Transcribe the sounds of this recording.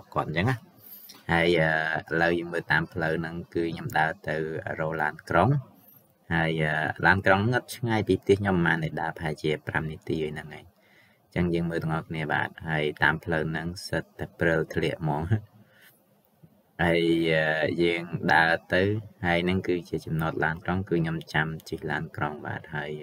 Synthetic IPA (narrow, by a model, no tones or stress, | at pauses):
ɓohkŏət̪̚nt͡ɕəŋːah | haəjʔəːʔələwjəːŋməːlt̪aːmpʰləwnɨŋkɨːɲomɗaət̪ɨwʔəːrɔːlaːnkroŋ | haəjʔəːlaːnkroŋnɨŋɑt̪̚t͡ɕʰŋaːjpiːp̚ʰt̪iəhkɲomːaːnːɨjɗaəpahaɛt͡ɕiəpramniət̪iːʔɨːjnɨŋʔaːɲ | t͡ɕəŋjəːŋməːlt̪ɨəŋʔɑhkʰniəɓa̰ːt̪̚haəjt̪aːmpʰləwnɨŋsət̪ːaɛprɨlt̪ʰliəʔmɑːŋ | hajəːjəːŋɗaət̪ɨwhaəjnɨŋkɨːt͡ɕiət͡ɕɑmnoət̪̚laːnkroŋkɨːɲomt͡ɕamt͡ɕɨhlaːnkroŋɓa̰ːt̪̚haəj